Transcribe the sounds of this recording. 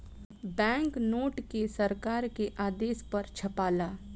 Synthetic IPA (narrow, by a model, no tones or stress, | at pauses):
bɛ̃ːŋknoːʈkesɐɾkaːɾkeʔaːd̪eːspɐɾt͡ʃʰɐpaːlaː